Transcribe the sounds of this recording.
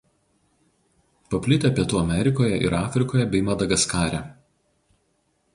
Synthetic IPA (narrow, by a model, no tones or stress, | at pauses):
pɐpʲlʲɪt̪ʲepʲiɛt̪uːɐmʲɛɾʲɪkoːjɛʔɪ̰ɾɑːfʲɾʲɪkoːjɛbʲɛɪmɐd̪ɐɡɐskɑːɾʲæ